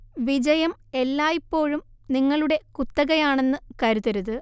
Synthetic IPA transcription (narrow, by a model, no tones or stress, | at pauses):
ʋid͡ʑɐjɐme̞lːaːjipːo̞ːɻumniŋːɐɭuɽe̞kut̪ːɐɣɐjaːɳe̞nːɨkɐɾuðɐɾuðɨ